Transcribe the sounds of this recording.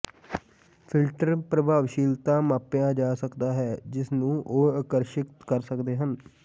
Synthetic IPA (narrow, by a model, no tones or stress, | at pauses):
pʰɪlʈəɾpɾəbʱaːʋʃiːlt̪ãːmaːpjãːd͡ʒaːsəkd̪aːɦɛːd͡ʒɪsnũːʔoːaːkəɾʃəkt̪kəɾsəkd̪eːɦən